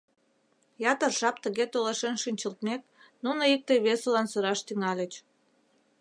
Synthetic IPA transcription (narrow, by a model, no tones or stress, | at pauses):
jɑt̪ərʒɑp̚t̪əɣet̪oleʃenʃynʲt͡ɕəlt̪mek̚ | nunoik̚t̪ejβesolɑnsəɾɑʃt̪yŋɑlʲət͡ɕ